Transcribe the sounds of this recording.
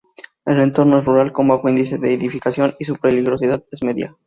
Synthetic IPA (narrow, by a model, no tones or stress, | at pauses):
ele̞nt̪o̞ɾno̞esruɾalko̞mbaxoind̪ise̞ðeːðifikasjo̞nis̬upɾeliɣɾo̞siðaðezme̞ðja̰